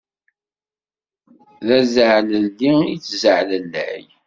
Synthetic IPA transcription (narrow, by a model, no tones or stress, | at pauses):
ðæzəʕləldiit͡sːzəʕləlːæ̰j